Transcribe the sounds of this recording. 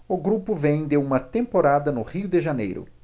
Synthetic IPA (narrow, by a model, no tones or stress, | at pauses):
ʊɡɾupʊvẽj̃d̪eũmɐt̪ẽmpoɾad̪ɐnʊhiʊd̪ɪʒanḛjɾʊ̰